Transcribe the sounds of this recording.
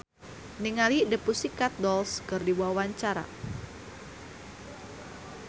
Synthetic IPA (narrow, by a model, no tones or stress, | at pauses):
niŋalidəpusikat̪̚dɔlskɨrdiwawaɲt͡ʃaɾa̰